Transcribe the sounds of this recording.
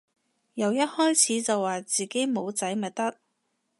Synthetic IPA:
jɐ˨˩wjɐ˥t̚hɔː˥jt͡sʰiː˨˧t͡sɐ˨wːaː˨˩t͡siː˨ke˨˥jmo˨˧wt͡sɐ˨˥jmɐ˨˩t̚t̪ɐ˥k̚

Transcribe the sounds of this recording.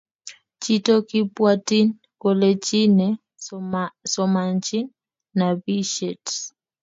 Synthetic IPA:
t͡ʃi˦tɔ˦ki˦pwa˦ti˦n | kɔ˨lɛt͡ʃi˦nɛ | sɔma˨nt͡ʃi˦ | na˨bi˦ʃɛ˨t

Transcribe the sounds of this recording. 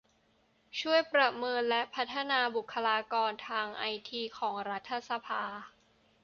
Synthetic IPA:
t͡ɕʰu˥˩əjpɾa˨˩mɤː˧nlɛ˦˥pʰa˦˥t̪ʰːa˧naː˧bu˨˩kʰːa˧laː˧kɔː˧nt̪ʰaː˧ŋʔa˧jt̪ʰiː˧kʰɔː˩˦ŋɾa˦˥t̪ʰːa˧sa˧pʰaː˧

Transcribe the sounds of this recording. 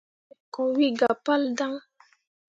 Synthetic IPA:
kɔ˨wi˦ɡa˨pa˦lda˦ŋ

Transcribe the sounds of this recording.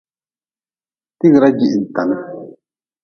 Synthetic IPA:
ti˦ɣɾa˦d͡ʒi˨ʔi˨n̩˨ta˨na˦

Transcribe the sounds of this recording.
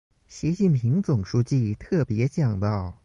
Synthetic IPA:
ɕi˧˥t͡ɕi˥˩npʰi˧˥ŋt͡sʊ˨˩ŋʂu˥t͡ɕi˥˧t̪ʰɤ˥˩pjɛ˧˥t͡ɕjɑ˨˩ŋt̪ɑ˥˩ʊ

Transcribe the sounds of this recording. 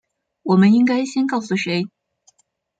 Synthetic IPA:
wɔ˨˩mə˦ni˥ŋka˥ɪɕjɛ˥nkɑ˥˩ʊsu˨˩ʂe˧˥ɪ

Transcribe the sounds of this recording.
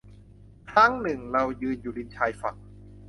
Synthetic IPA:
kʰɾa˦˥˩ŋnɯ˨˩ŋɾa˧wjɯː˧njuː˨˩li˧nt͡ɕʰaː˧jfa˨˩k̚

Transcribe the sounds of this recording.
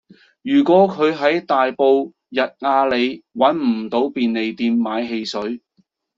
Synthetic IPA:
jyː˨˩kʷɔː˨˥kʰɵ˨˧ɥɦɐ˨˥jt̪aː˨jpo˧w | jɐ˨t̚ŋaː˧le˨˧jwɐ˨˥nm̩˨˩t̪o˨˥wpiː˨˧nle˨jt̪iː˧mːaː˨˧jɦe˧jsɵ˨˥ɥ

